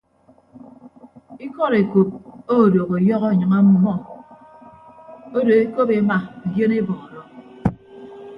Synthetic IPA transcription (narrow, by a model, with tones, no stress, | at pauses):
i˦kɔ˦ɾe˨ko˨p̚o˦˨do˨ɣo˨jɔ˦ɣɔ˦˨ɲʌ˨ŋa˦mu˦mɔ˦ | o˦do˨e˦ko˦pe˨˦ma˨ɡje˦ne˦bɔ˨ŋɔ˨ɾɔ˨